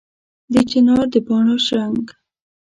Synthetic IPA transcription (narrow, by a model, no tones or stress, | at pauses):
d̪ət͡ʃɪnɑɾd̪əbɑɳoʃɾaŋɡ